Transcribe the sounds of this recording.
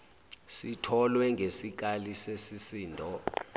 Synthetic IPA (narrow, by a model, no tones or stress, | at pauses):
sitʰɔlwɛŋɡʱesik̬alisesisiːndʱɔ